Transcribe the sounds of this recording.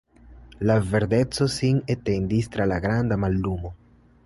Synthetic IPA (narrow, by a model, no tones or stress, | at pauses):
lave̞ɾde̞t͡so̞sinete̞ndist̪ɾalaɡɾandamalːumo̞